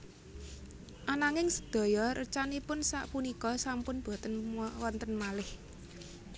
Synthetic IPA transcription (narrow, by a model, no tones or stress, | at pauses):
ʔanaŋɪŋsə̥d̪̥ɔ̤jɔɾʔə̰t͡ʃanipʊnsa̰ʔpunikɔsampʊnb̥ɔ̤t̪ənwɔnt̪ənmalɪh